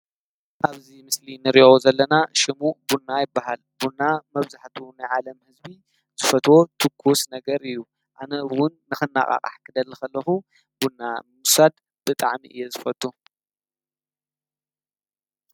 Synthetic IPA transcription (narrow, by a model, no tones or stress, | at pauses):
ʔaβzimɨslinɨɾiozɐlːɐnaʃɪmubunːajɪbːaɦalbunːamɐβzaħt̪ʰunajʕalɐmhɨzbi | z̥ɨfɐt̪wo̞t̪ʰɨkʰːusnɐɡɐɾɨjːu | ʔanɐwʊnːɨxɨnːa̰χʼa̰χʼa̰ħkʰɨd̪ɐlːɐxɐlːɐxu | bunːamusad̪ | b̥ɨt̪ʼaʕmḭʔɨjːezɨfɐt̪ʰʼːu